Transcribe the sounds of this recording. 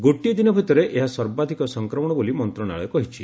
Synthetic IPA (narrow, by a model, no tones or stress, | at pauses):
ɡoʈid̪inɔbʱit̪ɔɾeʔeɦasɔɾbad̪ʱikɔsɔŋkɾɔmɔɽ̃ɔbolimɔnt̪ɾɔɽa̰ɭekɔɦit͡ʃʰi